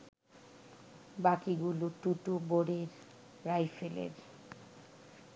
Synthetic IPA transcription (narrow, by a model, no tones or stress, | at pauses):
bakiɡuloʈuʈoboɾeɾː | ajfelḛɾ